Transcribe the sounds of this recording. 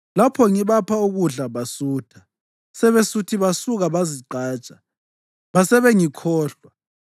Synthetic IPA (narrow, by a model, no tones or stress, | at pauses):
lapʰɔŋiβapʰauɣuɮaβasuːtʰḁ | sɛβesutʰiβasuɣaβaziǃaːt͡ʃʼḁ | βasɛβɛŋikʰɔːɬa